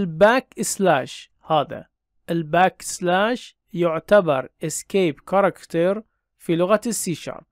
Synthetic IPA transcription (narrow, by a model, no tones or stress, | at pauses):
ɪlbaːkɪslaːʃ | haːða̰ | ʔɪlbaːkɪ̥slaːʃ | jʊʕt̪abɑ̰ɾˤʔɪskeːbkɑɾˤɑkt̪ɑɾ | filʊɣasːiːʃɑ̰ɾˤ